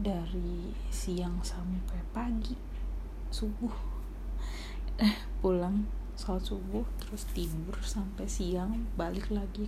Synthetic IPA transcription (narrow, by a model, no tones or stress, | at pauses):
daɾi | siaŋsampajpaɡi | subʊh | h | pulaŋ | saat̪subʊht̪əɾʊst̪imbərsampɛjsiaŋbalɪklaɡi